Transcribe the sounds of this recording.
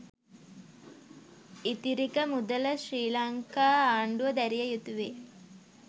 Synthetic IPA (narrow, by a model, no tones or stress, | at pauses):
it̪iɾikəmud̪ələʃriːlɐŋkaːaːɳɖuʋɐd̪æɾijəjut̪uʋeː